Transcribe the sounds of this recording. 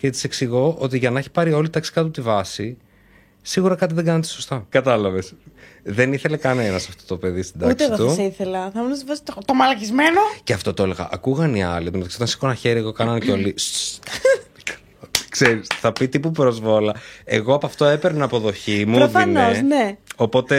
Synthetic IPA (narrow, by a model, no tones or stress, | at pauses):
ce̞t̪i̥seksiɣo̞ʔo̞t̪iʝɐnɐeçi̥pɐɾio̞lit̪ɐksi̥kɐt̪ut̪ivɐsi | siɣuɾɐkɐt̪̬iðeɡɐnɐt̪esost̪ɐkɐt̪ɐlɐvesðe̞niθe̞le̞kɐne̞nɐsɐft̪o̞t̪ope̞ðist̪id̪ɐtk̪esiɣot̪usɐiθelɐθɐmunɐsvɐst̪t̪omɐlɐcizmenoceɐft̪o̞t̪oeleɣɐ̰ʔɐkuɣɐniɐ̰lit̪unoɐksot̪ɐnsi̥konɐçe̞ɾieɣo̞kɐnɐnceo̞li | kseɾisθɐpit̪ipupɾo̞zvo̞lɐe̞ɣo̞ɐpɐft̪o̞epeɾnɐːpoðo̞çimuɾofɐineosneo̞po̞t̪e